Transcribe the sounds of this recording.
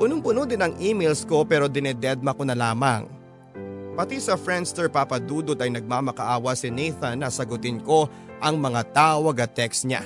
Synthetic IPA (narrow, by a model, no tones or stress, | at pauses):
pʊnoŋpʊnod̪ɪnɐŋʔiːmejlsko̞pɛːɾo̞d̪ɪnɛd̪ɛd̪̚mɐkonɐlaːmɐ̰ŋ | pɐt̪isɐfɹɛnd̪st̪ɛɹpapɐd̪uːd̪ot̪ɐjnɐɡ̚maːmɐkɐʔaːwɐsɪnejθɐnːɐsɐɡʊt̪ɪnko̞ | ʔɐŋmɐŋat̪aːwɐɡɐt̪ɛksɲa̰